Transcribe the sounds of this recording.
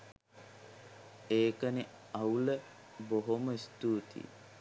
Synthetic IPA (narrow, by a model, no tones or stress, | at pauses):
eːkəni | ɐwlə | boɦoməist̪uːt̪ḭ